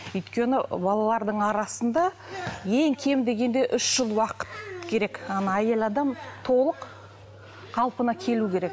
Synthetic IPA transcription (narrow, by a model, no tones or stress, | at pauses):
ʏjt̪kʲe̞nɪbɑlˠɑlˠɑɾd̪əɴɑɾɑsənd̪ɑ | je̞ŋkʲʰe̞md̪e̞ɡʲe̞nd̪e̞ʔʏʃʒ̥əlˠwɑqə̥t̪kʲʰe̞ɾe̞kɑnɑje̞lɑd̪ɑmt̪ʰo̞lˠəq | qʰɑlˠpənɑkʲʰe̞lukʲʰe̞ɾe̞k